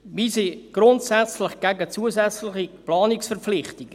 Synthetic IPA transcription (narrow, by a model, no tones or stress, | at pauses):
ʋisiɡ̥ɾʊntsɛt͡slɪχɡ̥æɡət͡suəzɛt͡slɪχiplɑːniksfɛrpflɪχtik